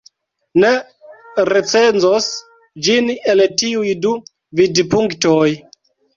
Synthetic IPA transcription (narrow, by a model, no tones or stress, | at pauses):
ne | ɾet͡se̞nzos | d͡ʒineltiujdu | vidpuŋktoj